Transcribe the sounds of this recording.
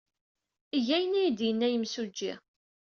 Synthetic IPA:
iʝæjənæjd̪jənːæjəmsud͡ʒːɪ̰

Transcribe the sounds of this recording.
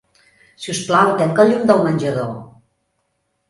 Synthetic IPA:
siusplawt̪ɛŋkəʎumd̪əlˠmənʲʒəðo

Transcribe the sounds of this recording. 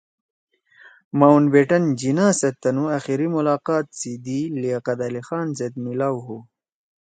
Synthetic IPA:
maːwnbeʈɐnd͡ʑinaːset̪ːɐnuaxiɾimulaːqɑːt̪̚t͡sid̪iliaqɐd̪alixaːnzed̪̚milawɦu

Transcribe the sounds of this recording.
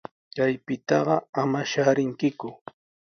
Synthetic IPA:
kajpɪt̪ɑɢɑamaʃaɾɪŋkɪkʊ

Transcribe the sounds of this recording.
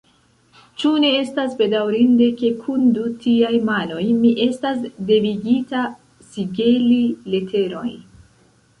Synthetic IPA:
t͡ʃune̞estasbe̞dawɾinde̞ke̞kʰundutiajmano̞jmiʔe̞stasde̞viɡita | siɡe̞lile̞tʰe̞ɾo̞̰j

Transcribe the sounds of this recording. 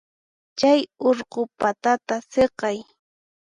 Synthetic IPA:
t͡ʃajoɾqopat̪at̪aseqɑj

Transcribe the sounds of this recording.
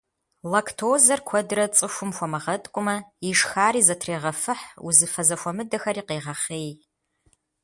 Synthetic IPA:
lɐkʰtʰoːzɐrkʷʰɔdrɐt͡sʼɨxʷʊmxʷɔmɐʁɐtʼkʷʼʊmɐiʂxaːɾiːzɐtʰreːʁɐfɨħṵzɨfɐzɐxʷɔmɨdɐxɐriːqeːʁɐχeːj

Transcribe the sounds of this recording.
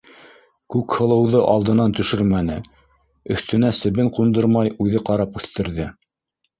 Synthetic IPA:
kʉkhɤ̆lˠɤ̆wðɤʔɑlˠd̪ɤ̆nɑnt̪ɵ̆ʃɵɾmænɘ | ɵ̆θt̪ɘ̆næsɘ̆βɘɴqund̪ɤɾmɑjʉðɘqɑɾɑpʉθt̪ɘ̆ɾðɘ

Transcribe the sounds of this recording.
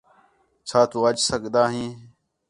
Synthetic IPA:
t͡ʃʰaːt̪uːət͡ʃsəkd̪aːɦĩː

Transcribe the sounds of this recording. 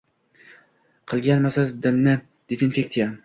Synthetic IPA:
qʰɨlˠɡʲanmasazd̪ɪlnɪ | d̪̥ezinfek̚t̪ija

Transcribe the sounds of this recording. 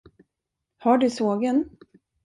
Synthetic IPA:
haɖɵsoːɡən

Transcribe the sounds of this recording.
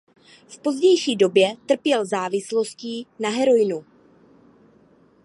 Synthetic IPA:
fpo̞zɟɛjʃiːdo̞bjɛt̪r̩pjɛlzaːvɪslo̞sciːnaɦɛɾo̞jnu

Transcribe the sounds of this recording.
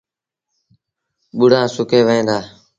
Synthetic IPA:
ɓʊɽãːsʊkeːʋəẽːd̪aː

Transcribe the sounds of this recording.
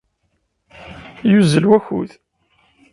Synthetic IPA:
juzəlwæçṵð

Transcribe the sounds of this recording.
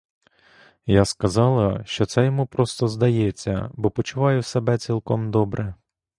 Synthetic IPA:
jaskɐzɑlˠɐʃt͡ʃɔt̪sɛjɔmupɾɔst̪ɔzd̪ɐjɛt͡sʲːɐ̰bɔpɔt͡ʃʊʋɑjʊsebɛt͡sʲilˠkɔmd̪ɔbɾʔɛ

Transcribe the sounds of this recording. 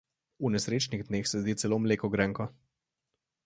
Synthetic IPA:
unɛsɾeːt͡ʃniɣd̪neːxsɛzd̪iːt̪sɛloːmleːkɔɡɾɛŋkɔ

